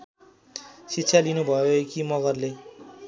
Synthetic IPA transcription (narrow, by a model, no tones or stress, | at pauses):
sitːɕʰjalinubʱʌjoekimʌɡʌrle